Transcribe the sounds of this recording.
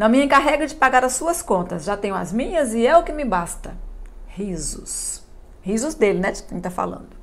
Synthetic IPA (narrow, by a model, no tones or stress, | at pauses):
nɐ̃mɪẽkaɦɛɡɐd͡ʒɪpaɡaɾɐsːuɐskõnt̪ɐsʒat̪ẽɲʊ̃ɐ̰zmĩɲɐzɪɛʊkɪmɪbast̪ɐhizʊs | hizʊzd̪elɪnɛt͡ʃɪ̥ẽt̪afa̰lɐ̰̃nd̪ʊ